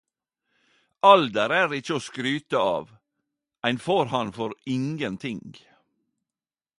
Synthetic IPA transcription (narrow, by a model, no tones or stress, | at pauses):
ʔɑld̪əɾæːɾɪt͡ʃəoːskɾyːt̪əɑ̰ːʋ | æɪnfoːɾhɑnfɔɾɪŋənt̪ʰɪŋ